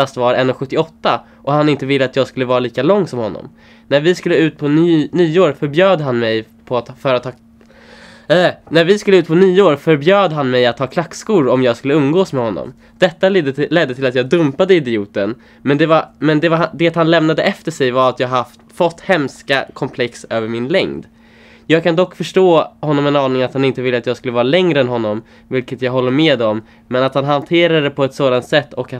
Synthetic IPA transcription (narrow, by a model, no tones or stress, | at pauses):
ast̪vaɾɛnːɔɧɵt̪ːɪɔt̪ːa | ʔɔhanɪnt̪əvɪlːəat̪jɑːɡskɵlːəvɑːɾaliːkalɔŋːsɔmhɔnːɔ̰m | næɾvɪskɵlːəʉ̟ːt̪̚pʰɔnnyːoːɾfœɾbjøːd̪ɦanmɛj | pʰɔat̪fœːɾəat̪ʰːɑ | ɛnæɾvɪskɵləʉ̟t̪̚pʰɔnyːoːɾfœɾbjøːd̪ɦanmɛjat̪ʰːɑːkʰlakːskuːɾɔmjɑːɡskɵlːəɵmːɡoːsmɛhɔnːɔ̰m | d̪̥ɛt̪ːalɛd̪ːət̪ʰɪlat̪jɑːɡ̚d̪ɵmpad̪əɪd̪ɪuːt̪ən | mɛnd̪ɛvamɛnd̪ɛvad̪ɛt̪hanlɛmnad̪əʔɛft̪əʂɛjvaɾat̪jɑːɡaft̪fɔt̪ːhɛmskakʰɔmpʰlɛksøːvəɾmɪnlɛ̰ŋd̪ | jɑːɡ̚kʰand̪ɔkːfœʂʈoːhɔnːɔmɛnɑːnɪŋat̪hanɪnt̪əvɪlːəat̪jɑːɡskɵləvɑːɾalɛŋɾəɛnɦɔnːɔm | vɪlkət̪jɑːɡɦɔlːəɾmeːd̪ɔmː | ɛnat̪hanɦant̪ʰeːɾad̪əd̪ɛpʰɔɛt̪soːd̪ant̪sɛt̪ːɔkːa